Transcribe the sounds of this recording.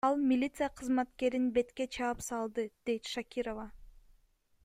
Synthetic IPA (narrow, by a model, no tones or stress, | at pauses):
ɑlˠmʲɪlʲit̪sɨjaqʰɯzmɑt̪ke̞ɾinbe̞t̪ke̞t͡ʃʰɑɯpsɑlˠd̪ɯd̪̥e̞jt̪ʃakʲiɾova